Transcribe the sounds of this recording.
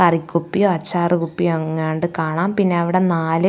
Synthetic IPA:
ɐrikʲːupːijoɐt͡ɕːaːrɨkupːijoɐŋːaːɳɖɨkaːɳaːmpinːe̞ɐʋiɽe̞naːlɨ

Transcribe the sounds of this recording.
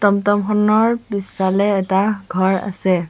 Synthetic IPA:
tɔmtɔmxɔnɔɹbistalɛːtaɡʱɔɹa̰sɛ

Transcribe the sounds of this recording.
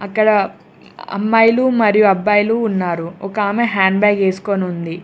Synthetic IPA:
ɐkːɐɽɐ | ɐ̰mːɐjlumɐɾijuɐbːaːjluːnːaːɾuɔkaːmeɦaːɳɖbaːɡe̞ːsu̥koːnund̪i

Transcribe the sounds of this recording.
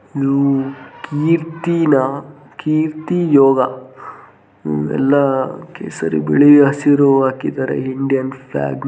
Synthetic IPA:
id̪ukiːɾt̪inɐ | kiːɾt̪ijoːɡɐ | ɛ̰lːɐkḛːsɐɾḭbiɭiɐsiɾɔʋaːkid̪aːɾḛɦiɳɖijɐnpʰla̰ːɡn

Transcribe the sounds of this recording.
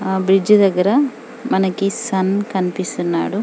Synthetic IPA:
bɾid͡ʒud̪ɐɡɐɾɐ | mɐnɐɡisɐnkɐnpisunːa̰ːɽu

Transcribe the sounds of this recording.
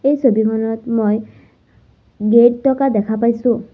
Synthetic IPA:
ejsobimʰɔnɔtmoj | ɡeʈ̚tɔkadɛkʰap̬ajsʊ̃

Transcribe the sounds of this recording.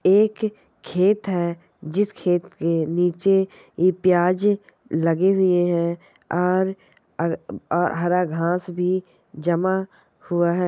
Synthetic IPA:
eːkʰː | eːt̪ɦɛː | d͡ʒɪskʰeːt̪keniːt͡ʃe | ipjaːd͡ʒ | lɐɡeɦʊeɦɛ̃ | ɔːɾ | ɔːɾɦɐɾaɡʱãːsbʱi | d͡ʒɐma | hʊaɦɛː

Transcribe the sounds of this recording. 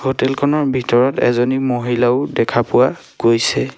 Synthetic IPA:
hotɛlkʰɔnɔɹbʱitɔɹɔtɛ̰zonimoɦilaʊdɛkʰapʊwa | ɡ̥ojsɛ

